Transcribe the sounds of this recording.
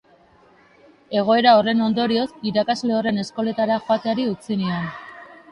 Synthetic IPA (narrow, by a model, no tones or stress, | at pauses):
e̞ɣ̞o̞e̞ɾao̞re̞no̞nd̪o̞ɾio̞siɾakazle̞o̞re̞ne̞sko̞le̞t̪aɾaxoat̪eaɾiut͡sinion